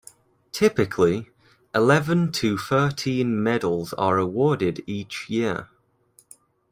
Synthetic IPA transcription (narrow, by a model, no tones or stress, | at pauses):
tʰɪpɪkʰli | ɪlɛvə̃ntʰəθɜˑtʰĩnmɛdəlˠzə̰ɹəwɔːdɪdiˑt͡ʃjɪə